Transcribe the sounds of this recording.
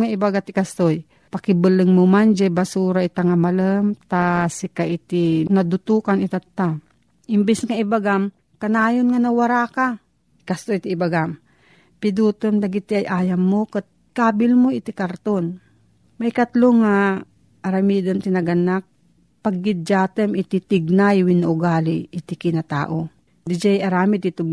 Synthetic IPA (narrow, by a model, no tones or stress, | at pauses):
ŋaɪbaɡat̪ɪkast̪oj | pakɪbɨlɨŋmʊmand͡ʒɛbasuːɾaɪt̪aŋamaləmt̪asɪkaʔɪt̪ɪnad̪ʊt̪uːkanɪt̪at̪ːa | ʔɪmbɪsŋaɪbaɡam | kanaːjonŋanawaɾaka | ɪkast̪ojt̪ɪːbaɡam | pɪd̪uːt̪əmd̪ɐɡit̪iajʔaːjamːokət̪̚ | kaːbɪlmoɪt̪ikaɾt̪on | majkat̪loŋa | ʔːɾamiːd̪ant̪ɪnɐɡanak̚ | paɡ̚ːɪd̪̚d͡ʒaːt̪əmɪt̪it̪ɪɡ̚najwinːaʔʊɡaːliʔɪt̪ɪkɪnat̪a̰ːʔo | d̪ɪd͡ʒajaɾaːmɪt̪ɪt̪ʊ